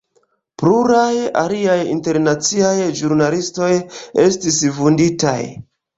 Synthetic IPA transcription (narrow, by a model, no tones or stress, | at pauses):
pluɾaja̰liajḭnte̞ɾnat͡siajʒuɾnalisto̞je̞stisvundita̰j